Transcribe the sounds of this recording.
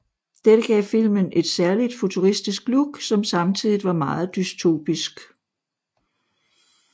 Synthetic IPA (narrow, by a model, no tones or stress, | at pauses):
d̥eɾ̥əɡ̥ɛ̰ːfil̰mənʔe̝d̥sæɐlid̥fo̝t͡sʰuʁisd̥isɡ̥luɡ̥sɒ̽msɑ̈mt͡sʰið̰ˠiʋɑ̈mɑ̈ːð̞̩ˠd̥yst͡sʰo̝̰ːb̥isɡ̥